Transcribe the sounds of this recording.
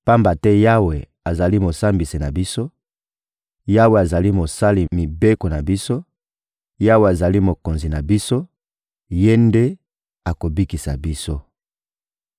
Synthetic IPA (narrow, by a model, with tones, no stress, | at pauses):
pa˦mba˨tɛ˦ja˦we˨ | a˨za˨li˦mo˨sa˦mbi˨si˨na˨bi˦so˦ | ja˦we˨a˨za˨li˦mo˨sa˦li˨mi˨be˦ko˨na˨bi˦so˦ | ja˦we˨a˨za˨li˦mo˨ko˨nzi˨na˨bi˦so˦ | je˦nde˦ | a˨ko˨bi˦ki˨sa̰˨bi˦so˦